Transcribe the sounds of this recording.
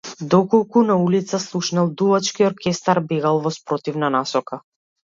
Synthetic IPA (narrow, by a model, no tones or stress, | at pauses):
d̪ɔkɔlˠkunaulit̪saslˠuʃnalˠd̪uvat͡ʃkiɔɾkʲɛst̪aɾbɛɡalˠvɔspɾɔt̪ivnanasɔka